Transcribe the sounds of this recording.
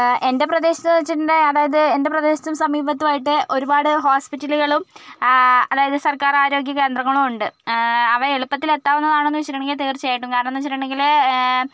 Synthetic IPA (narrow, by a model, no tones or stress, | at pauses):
e̞nde̞prɐd̪e̞ːɕɐt̪ːt͡ɕːindeɐðaːjɐðɨende̞prɐðe̞ːɕɐ̥t̪ːumsɐmiːbɐt̪ːumaːjiʈːɨʔo̞ɾubaːɽɨɦoːspitːɐluɣɐɭum | ɐðaːjɐðɨsɐrkaːraːɾo̞ːɡjɐke̞ːnd̪rɐŋːɐɭumuɳɖɨɐʋɐeɭupːɐt̪ːile̞t̪ːaːʋunːɐðaːɳo̞nːuʋit͡ɕɐɾɐɳŋɡilt̪̬eːrt͡ɕːijaːjiʈːumkaːɾɐɳonːɨʋit͡ɕɐɾɐɳeŋɡil